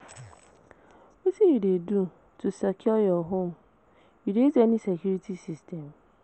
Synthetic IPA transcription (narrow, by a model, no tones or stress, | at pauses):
oseidedu | tʊsakʰiɔjɔɦʊm̩ | iɾeezenisekjuɾitisistem